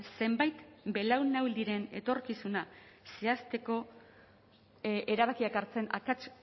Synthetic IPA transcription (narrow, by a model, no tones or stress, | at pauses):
se̞mbajt̪be̞lawnawld̪iɾe̞ne̞̰t̪o̞ɾkisunase̞ast̪e̞ko̞ | e̞ɾaβakiakaɾt͡se̞na̰kat͡ʃ